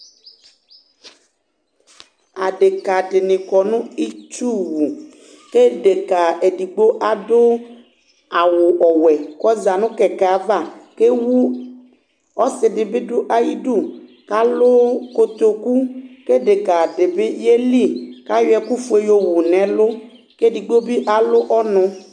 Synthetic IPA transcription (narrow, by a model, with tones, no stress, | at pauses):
a˨ɖe˨ka˨ɖe˨nĩ˨kɔ˨nũ˦i˦t͡ʃu˦wu˨ | ke˦ɖe˨ka˨e˨ɖi˨ɡ͡bo˦ʔa˨do˦ | a˨wo˨ʔɔ˨wɛ˨kɔ˦za˨nũ˦kɛ˨ke˨a˨va˦˨ke˦wu˦ | ɔ˦sɪ˨ɖɪ˨be˦ɖo˦ʔa˦ji˦ɖu˦˨ | ka˦lo˦ko˦t̪o˨ku˦ke˦ɖe˨ka˨ɖe˨be˦je˦li˦˨ka˦jɛ˨ku˦fu˦e˨jo˦wu˨nɛ̃˨lo˦ | ke˦di˨ɡ͡bo˦bi˦ʔa˨lo˦ʔɔ˦nɔ̃˦